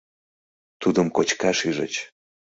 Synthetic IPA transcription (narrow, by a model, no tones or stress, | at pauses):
t̪ud̪əmkot͡ɕkɑʃiʒə̰t͡ɕ